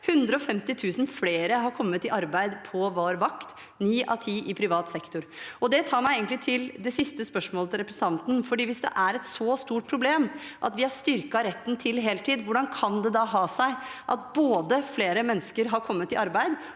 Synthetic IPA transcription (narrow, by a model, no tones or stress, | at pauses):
hʉnd̪ɾəɔfɛmt̪ɪt̪ʰʉːsn̩fleːɾəɦɑɾkʰɔmːət̪ɪʔɑɾbæɪd̪pʰɔʋoːɾʋɑkt̪ | niːʔɑ̰t̪ʰiːʔɪpʰɾɪʋɑːt̪sɛkt̪ʊɾɔd̪ɛt̪ʰɑːɾmæɪeːɡənlɪt̪ʰɪld̪ɛsɪst̪əspœʂmoːlət̪ɪlɾɛpɾɛsɑnt̪n̩fɔɖiːʋɪsd̪ɛ̰ʔæɾɛt̪sɔst̪uːʈ̚pʰɾʊbleːmʔɑt̪ʋɪhɑɾʂt̪ʏɾkɑɾɛt̪ːn̩t̪ʰɪlɦeːlt̪ʰiːd̪ʋʊɖɑnkʰɑnd̪ɛd̪ɑɦɑːsæɪʔɑ̰t̪̚boːd̪əfleːɾəmɛnːəskəɾɦɑɾkʰɔmːət̪ːɪɑɾbæɪd̪